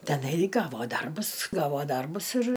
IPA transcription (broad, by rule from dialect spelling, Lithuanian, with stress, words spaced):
tʲɛˈnɐɪ ˈɡɑːʋoː ˈdɐrbʊs ˈɡɑːʋoː ˈdɐrbʊs ɪr